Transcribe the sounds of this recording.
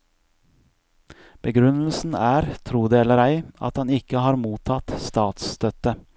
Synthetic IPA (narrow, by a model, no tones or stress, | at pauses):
b̥əɡɾʉnl̩sn̩æːɾt̪ʰɾuːd̪eːɛləɾæɪɑ̰t̪hɑnɪkəhɑːɾmuːt̪ʰɑt̪st̪ɑːt̪st̪œt̪ə